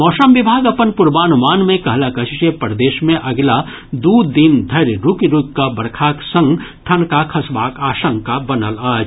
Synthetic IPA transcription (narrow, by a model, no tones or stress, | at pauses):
mɔːsəmʋibʱaːɡɐpənpʊɾbaːnmaːnmẽkɐɦlakət͡ʃit͡ʃepəɾd̪eːʃmẽʔɐɡla | d̪ud̪ind̪ʱɐɾɾukiɾukkabəɾkʰaːksə̃ŋɡʈʰənkakʰɐsʋaːkaːʃə̃ŋkabɐnəlaːd͡ʒ